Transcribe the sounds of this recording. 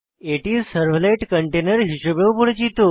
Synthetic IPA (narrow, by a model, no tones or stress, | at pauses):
eʈizsəɾʋleʈkəɳʈenəɾɦiɕobeʋpuɽd͡ʑit̪o